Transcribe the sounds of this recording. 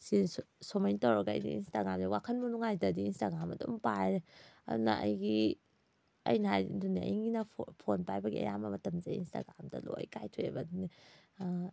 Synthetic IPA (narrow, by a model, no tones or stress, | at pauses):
sisomɐjntɐwɾɐɡɐ̰ːjdḭinstaɡɾamdɐwakʰɐnbɐnuŋajdɐdiinstaɡɾamɐdumpajɾeɐ̰dunɐ̰ʔɐ̰jɡi | ɐ̰jnajduniɐ̰jɡinɐpʰonpajbɐɡiɐ̰jamɐmɐtɐmd͡ʒɐḭnsta̰ɡɾamdɐ̰lo̰jkajtʰoḛbɐduni